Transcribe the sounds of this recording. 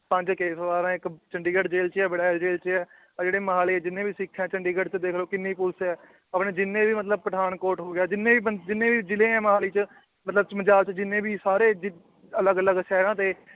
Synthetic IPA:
pə̃ɲd͡ʒkeːsʋaːɾãːɪkt͡ʃəɳɖiːɡəʈd͡ʒeːlt͡ʃɛːbəɽaːld͡ʒeːlt͡ʃɛː | d͡ʒeːɽeːməɦaːleːɛːd͡ʒɪnːẽːbiːsikʰːãːt͡ʃəɳɖiːɡəʈt͡ʃəd̪eːkʰloːkɪnːiːpʊlsɛː | əpneːd͡ʒɪnːẽːbiːmət̪ləb̚pɾəd̪aːnkoːɾʈɦoːɡɪjaːd͡ʒɪnːẽːbiːbəd͡ʒɪnːẽːbiːd͡ʒɪlẽːɛ̃ːməɦaːliːt͡ʃ | mət̪ləbt͡ʃməd͡ʒaːlt͡ʃd͡ʒɪnːẽːbiːsaːɾeːd͡ʒ | ələɡələɡʃɛːɾãːt̪eː

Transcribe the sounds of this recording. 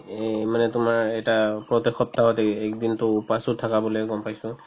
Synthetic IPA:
manɛtʊmaɹɛtapɹɔt̪exɔp̚taɦɔtɛɛkdintʊupasuttʰakabɔlojɡɔmpajsʊ̃

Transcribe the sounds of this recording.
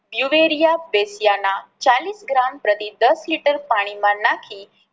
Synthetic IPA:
bjuʋeɾijabesijanat͡ʃaliːsɡɾampɾət̪id̪əsliʈəɾpaɽ̃imãnakʰiː

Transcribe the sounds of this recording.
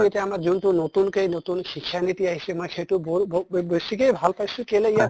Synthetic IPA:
etɛamaɾzunʈunot̪unkejnot̪unkikʰːjanit̪iaɦisemojkʰejʈubobobosikejbʱalpajsũkeleija

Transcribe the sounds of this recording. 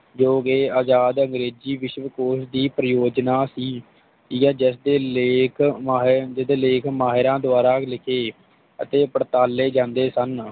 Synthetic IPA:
d͡ʒoːɡeːaːd͡ʒaːd̪ə̃ŋɡɾeːd͡ʒiːʋɪʃʋəkoːsd̪iːpɾəjoːd͡ʒnaːsiː | iːkɛːd͡ʒɪsd̪eːleːkʰːɦd͡ʒɪsd̪eːleːkʰmaːɦɪɾãːd̪ʊaːɾaːklɪkʰeː | ə̰t̪eːpəɽt̪aːlːeːd͡ʒãːnd̪eːsən

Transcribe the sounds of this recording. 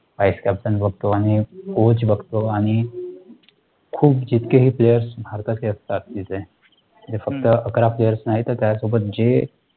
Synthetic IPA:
ʋajskæpsənbəɡ̚ʱt̪oaɽ̃ikot͡ɕbəɡt̪oaɽ̃i | kʰuːbd͡ʑit̪keɦiːplejəɾsbʱaɾt̪at͡seəst̪at̪ːit͡se | əd͡zefəkt̪əəkɾaplejəɾsnaɦit̪əɾt̪jasobət̪̚d͡ʑe

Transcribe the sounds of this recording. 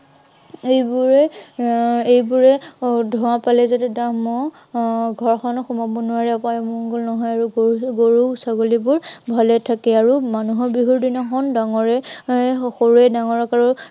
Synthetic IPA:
ejbuɹɛ | ejbuɹɛdʱʊwapalɛzɔtɛdamɔ | ɡʱɔɹxʰɔnxumapunuaɹɛɔpajɔmuŋɡɔlnɔɦɔjaɹuɡoɡoɹusaɡolibʊɹbʱalɛtʰakɛaɹumanuɦɔbɹiɦuɹdinɔxɔndaŋɔɹɛ | xoɹɛdaŋɔɹɔkaɹu

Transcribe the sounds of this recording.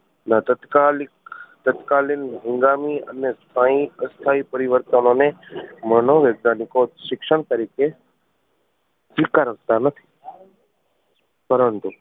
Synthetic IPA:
nət̪ət̪kalɪkt̪ət̪kalinɦɪ̃ŋɡamiə̰nest̪ʰaĩəst̪ʰaipəɾiʋəɾt̪ənonemənoʋeːɡ̚nanɪkoʃɪkʃəɽ̃t̪əɾike | d͡ʒɪkaɾək̚t̪anət̪ʰi̥ | pəɾənt̪u

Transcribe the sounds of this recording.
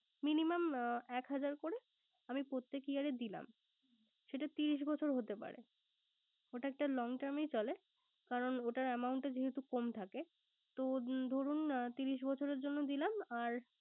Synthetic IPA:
minimamɛkɦad͡ʑaɾkoɾe | amipɾot̪ːekiaɾed̪ila̰m | ʃeʈat̪iɾiʃ̬bɔt͡ɕʰoɾɦot̪epa̰ɾḛ | oʈaɛk̚ʈalɔŋʈaɾmejt͡ɕɔle | kaɾonoʈaɾɛmauɳʈed͡ʑeɦet̪ukomt̪ʰake | t̪od̪ʱoɾunt̪iɾiʃbɔt͡ɕʰoɾeɾd͡ʑonːod̪ilamaɾ

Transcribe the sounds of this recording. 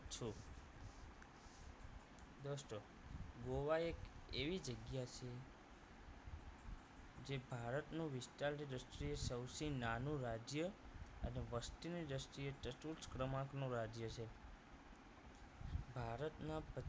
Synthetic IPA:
t͡ʃʰu | d̪əsʈo | ɡoʋaekeʋid͡ʒəɡjat͡ʃʰe | d͡ʒebʱaɾət̪nũʋɪsʈalniɾəsʈɾiesəwsinanũɾad͡ʒjəəneʋəsʈiniɾəsʈɾieʈəʈuskɾəmãknũɾad͡ʒjət͡ʃʰe | bʱaɾət̪nãpə

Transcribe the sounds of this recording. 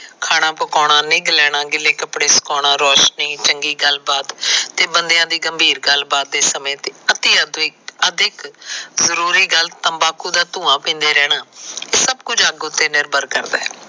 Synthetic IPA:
kʰaːɽ̃ãːpəkɔːɽ̃ãːnɪ̃ːɡlɛːɽ̃ãːɡɪleːkəpɽeːsə̥kɔːɽ̃ãːɾɔːʃniːt͡ʃəŋɡiːɡəlbaːt̪t̪ːeːbənd̪ɪjãːd̪iːɡəmbʱiːɾɡəlbaːt̪̚d̪eːsəmẽːt̪eːət̪iːəd̪ɪːəd̪ɪkzəɾuːɾiːɡəlt̪əmbaːkuːd̪aːt̪ũːãːpĩːnd̪eːɾɛːɽaːeːsəbkʊd͡ʒaɡʊt̪ːeːnɪɾbəɾkəɾd̪ɛ̰ː

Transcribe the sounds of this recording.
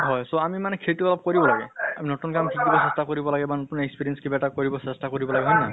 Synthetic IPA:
ɦɔjsoamimanɛkʰetuɔlɔb̚koɹibɔlaɡɛaminotunkamtʰikdibɔsestakoɹibɔlaɡɛbanotunekspiɹiɛnskibatakoɹibɔsɛstakoɹibɔlaɡɛɦɔjna

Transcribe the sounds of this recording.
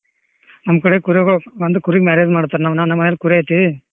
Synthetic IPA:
nɐmɐkɐɽekuɾeɡɐɭʋɐnd̪ukuɾiɡmaːɾed͡ʒmaːɽt̪aːɾenaːʋnaːʋnɐmːɐnɐlkuɾeɐjt̪ːii

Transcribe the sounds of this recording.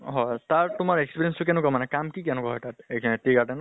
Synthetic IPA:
ɦɔjtaɹtʊmaɹekspiɹiɛnstʊkɛnʊkamanɛkamkikɛnʊkaɦɔjtatetikaʈɛn

